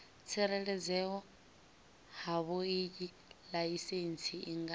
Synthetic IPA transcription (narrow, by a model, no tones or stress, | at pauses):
t͡sʰɛɾɛɺɛd͡zɛɔ | haβoicʼi | laisent͡sʰiʔiŋɡ